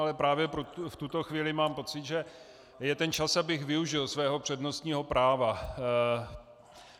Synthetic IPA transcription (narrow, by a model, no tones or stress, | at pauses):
alɛpɾaːvjɛpɾoft̪ut̪o̞xviːlɪmaːmpo̞t͡sɪt̪ʒɛ | jɛt̪ɛnt͡ʃasabɪxvɪuʒɪlsvɛːɦo̞pr̝̥ɛdno̞st̪ɲiːɦo̞pɾaːva